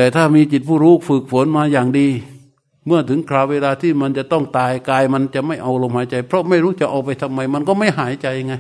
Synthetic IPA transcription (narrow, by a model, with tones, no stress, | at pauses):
t̪ɛː˨˩t̪ʰaː˥˩miː˧t͡ɕi˨˩t̪̚pʰuː˥˩ɾuː˦˥˩fɯː˨˩k̚fo˨˩˦nmaː˧jaː˨˩ŋdiː˧ | mɯ˥˩ɐt̪ʰɯ˩˦ŋkʰɾaː˧˩weː˧laː˧t̪ʰiː˥˩ma˧nt͡ɕa˨˩t̪ɔ˥˩ŋt̪aː˧jkaː˧jma˧nt͡ɕa˨˩ʔma˥˩jʔa˧wlo˧mhaː˨˦jt͡ɕa˧jpʰɾɔ˦˥ma˥˩jɾuː˦˥˩t͡ɕa˨˩ʔa˧wpa˧jt̪ʰa˧mːa˧jma˧nkɔː˥˩ma˥˩jɦaː˩˦jt͡ɕa˧ja˧ŋa˧j